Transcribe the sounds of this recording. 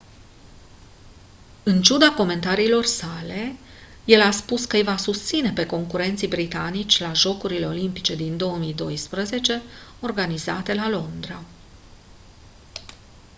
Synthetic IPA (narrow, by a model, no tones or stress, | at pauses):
ɨnt͡ʃud̪ako̞me̞nt̪aɾiːlo̞rsale̞ | je̞laspuskəjvasust̪sine̞pe̞ko̞ŋkuɾe̞nt̪sijbɾit̪anit͡ʃʲlaʒo̞kuɾile̞o̞limpit͡ʃe̞d̪ind̪o̞əmijd̪o̞jspɾəze̞t͡ʃe̞o̞rɡaniza̰t̪e̞lalo̞nd̪ɾa